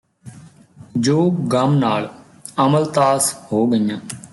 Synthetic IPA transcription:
d͡ʒoːɡəmnaːl | əməlt̪aːshoːɡəjãː

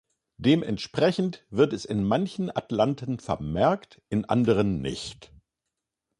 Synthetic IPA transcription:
d̥eːmʔɛ̰ntʃpʁ̥ɛçn̩tv̥ɪɐtɛsɪnmançn̩ʔa̰tlantʰən̩fɛ̰ɐmɛɐkt | ʔɪnʔa̰ndəʁənːɪ̰çt

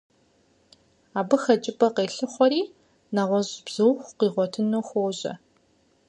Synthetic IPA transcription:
aːbɨxɐt͡ʃʼɪbʼɐqeːɬɨχʷɔɾiː | naʁʷɔʑb̥z̥ɨwxʷqiːʁʷɔtʰɨnoːxʷoːʑɐ̰

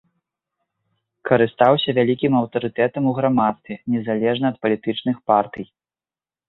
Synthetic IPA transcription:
kɐɾɨst̪awsʲɐvʲalʲikʲimɐwt̪ɐɾɨt̪ɛt̪ɐmuɣɾamat̪st̪vʲɛnʲɛzalʲɛʐnɐɐt̪̚pɐlʲit̪ɨt͡ʂnɨxpart̪ɨj

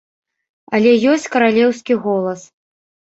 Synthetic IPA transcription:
ɐlʲɛjɔsʲt͡sʲkɐɾalʲɛwskʲiɣɔlˠɐs

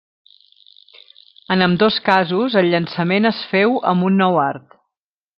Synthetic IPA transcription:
ənəmd̪oskazuzəlʎːənsəmenəsfɛwə̰mbunːɔwaɾt̪

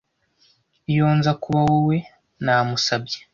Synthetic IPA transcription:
joːnzakuβawowe̞ | naːmusabɟe̥

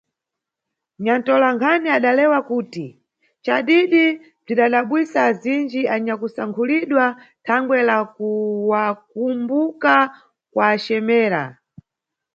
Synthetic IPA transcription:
ɲantɔlaŋkʰaniaɗalɛwakuːti | t͡ʃaɗiɗi | b͡ʐiɗaɗaɓwisaːzind͡ʒiaɲakusaŋkʰuliɗwa | tʰaŋɡwɛlakuwak̚umbuka | kwaːt͡ʃɛmɛːɾa̰

